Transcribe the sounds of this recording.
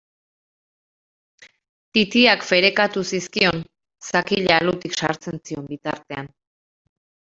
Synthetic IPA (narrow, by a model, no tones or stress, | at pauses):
t̪it̪iakfe̞ɾe̞kat̪usiskio̞n | sakiʎalut̪iksa̰ɾt͡se̞nt͡sio̞mbit̪aɾt̪e̞an